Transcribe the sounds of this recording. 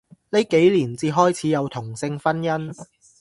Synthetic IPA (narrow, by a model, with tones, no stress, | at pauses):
ne˨˧jke˨˥jliː˨˩nt͡siː˧ɦɔː˥jt͡sʰiː˨˥jɐ˨˧wt̪ʰʊ˨˩ŋsɪ˧ŋfɐ˥njɐ˥n